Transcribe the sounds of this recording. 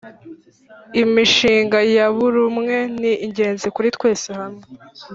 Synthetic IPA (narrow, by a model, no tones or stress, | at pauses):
imiʃiːŋɡajaβuɾumŋe̞niːɲɟe̞ːnzekuɾit̪we̞ːsehamŋe